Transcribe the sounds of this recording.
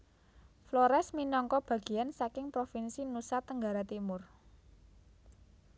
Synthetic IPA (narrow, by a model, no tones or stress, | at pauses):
flɔɾɛsminɔŋkɔb̥ä̤ɡ̥i̤jansakɪŋpɾofinsinusat̪ːəŋɡaɾat̪imʊr